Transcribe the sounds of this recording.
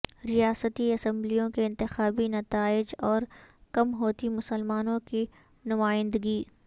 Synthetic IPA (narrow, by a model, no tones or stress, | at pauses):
ɾijaːsət̪iɐsə̃mblijõkeɪ̃nt̪ɪxaːbinɐt̪aːɪd͡ʒɔːɾkɐmɦoːt̪imʊsəlmaːnõki | nʊmaːɪ̃nd̪əɡiː